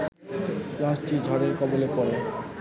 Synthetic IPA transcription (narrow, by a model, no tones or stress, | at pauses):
lãʃʈʰid͡ʑʱɔɾeɾkɔbolepɔɾe